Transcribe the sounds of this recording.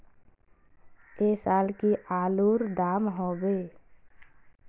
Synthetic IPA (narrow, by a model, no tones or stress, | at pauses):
eːsaːlkiʔaːluːɾd̪aːmɦoːbeː